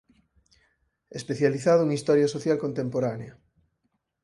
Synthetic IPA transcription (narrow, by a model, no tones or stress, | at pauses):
espeθjaliθaðouŋist̪ɔɾjasoθjalkont̪empoɾanea